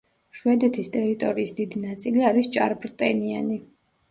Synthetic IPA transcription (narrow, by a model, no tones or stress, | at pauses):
ʃwɛd̪ɛt̪ʰist̪ʼɛɾit̪ʼɔɾiːsd̪id̪inat̪sʼiliaɾist͡ʃʼa̰ɾbɾt̪ʼɛniani